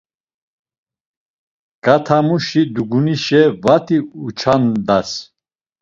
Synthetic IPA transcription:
kʼat̪ʰamuʃid̪uɡuniʃɛvat̪ʰiut͡ʃʰand̪as

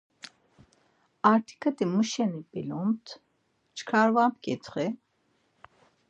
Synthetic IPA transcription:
aɾt̪ʰi̥kʰʼət̪imuʃɛnipilunt̪ʰ | t͡ʃkʰaɾvap̚kʼɛt̪ʰχɛ

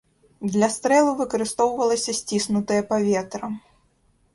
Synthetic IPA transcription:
d̪lʲɐst̪ɾɛlˠuvɨkɐɾɨst̪ɔwvɐlˠɐsʲɐsʲt͡sʲisnut̪ɐjɐpavʲet̪ɾɐ

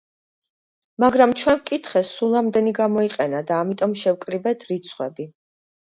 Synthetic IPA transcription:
maɡɾamt͡ʃʰwɛnkʼit̪ʰχɛsulˠamd̪ɛniɡamɔiqʼɛnad̪aːmit̪ʼɔmʃɛwkʼɾibɛt̪ʰɾit̪sʰχwɛbi

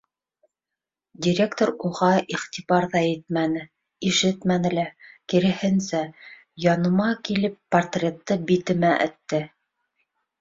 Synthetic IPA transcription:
dʲiɾʲe̞kt̪oɾuʁɑʔiχt̪ʲiβɑɾðɑjɘt̪̚mænɘ | iʃɘt̪mænɘ̆lækiɾɘ̆hɘ̆nsæ | jɑnɤ̆mɑkilɘpːɐrt̪rʲet̪ːɤbit̪ɘ̆mæʔɘ̰̆t̪ːɘ

